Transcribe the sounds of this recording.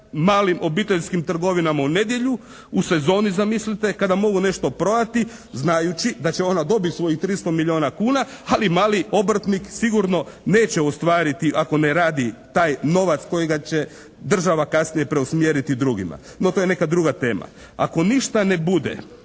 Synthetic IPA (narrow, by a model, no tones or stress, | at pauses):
maːlimʔo̞bit̪eʎskimt̪r̩ɡo̞ʋinamaune̞d̪je̞ʎu | use̞zo̞ːnizamislit̪e̞kad̪amo̞ɡune̞ʃt̪o̞pɾo̞d̪at̪i | znajut͡ɕid̪at͡ɕeo̞nad̪o̞bit̪ʲsʋo̞jixt̪ɾist̪o̞miʎio̞ːnakuːna | alimaːlio̞br̩t̪niksiɡuɾno̞ | ne̞ːt͡ɕeost̪ʋaːɾit̪iʔako̞neɾaːd̪it̪aːjno̞ʋat̪sko̞jiɡat͡ɕe̞ | d̪r̩ʒaʋakasnije̞pɾe̞usmjeːɾit̪id̪ɾuɡima̰ | not̪oːje̞ne̞kad̪ɾuɡat̪e̞ːma̰ | a̰ko̞niʃt̪anebud̪ḛ